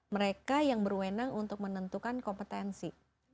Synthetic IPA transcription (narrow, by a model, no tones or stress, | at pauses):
məɾekajaŋbərwenaŋunt̪ʊk̚mənənt̪ukankɔmpət̪ɛnsi